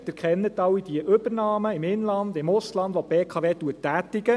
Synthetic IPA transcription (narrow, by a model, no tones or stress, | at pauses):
d̪̥ɛɾkχɛnːət̪ɑwːid̥iəʔʏbəɾnɑːməɪmɪnlɑnd̪ɪmʊslɑnd̪ʋopeːkʰɑːʋeːt̪uətːæːt̪ɪɡə